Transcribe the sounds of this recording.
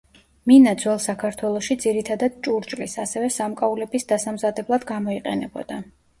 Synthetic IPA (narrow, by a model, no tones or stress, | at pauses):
minad̪zwɛlˠsakʰaɾt̪ʰwɛlˠɔʃid̪ziɾit̪ʰad̪ad̪̥̚t͡ʃʼuɾt͡ʃʼlisasɛvɛsamkʼaulɛbisd̪asamzad̪ɛblˠad̪ɡamɔiqʼɛ̰nɛbɔ̰d̪̥a